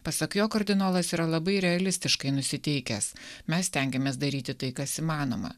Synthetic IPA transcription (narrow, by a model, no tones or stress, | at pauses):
pɐsɐkjoːkɐɾʲd̪ʲɪnoːlˠɐsiːɾɐlˠɐbɐɪɾʲɛɐlʲɪsʲt̪ʲɪʃkɐɪnʊsʲɪt̪ʲɛɪkʲɛsmʲɛssʲt̪ʲɛŋʲɡʲɛmʲeːs̬d̪ɐɾʲiːt̪ʲɪt̪ɐɪkɐsimɑːno̰ːmɐ̰